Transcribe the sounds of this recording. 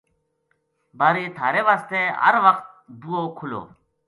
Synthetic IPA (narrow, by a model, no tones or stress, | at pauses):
baːɾiːt̪ʰaːɾeːʋaːst̪eːə̰ɾʋəqt̪̚ | d̪uːoːkʰʊlo̰ː